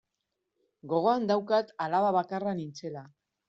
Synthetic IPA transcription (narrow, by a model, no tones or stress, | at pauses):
ɡo̞ɣ̞o̞and̪awkat̪alaβaβakaranint͡se̞la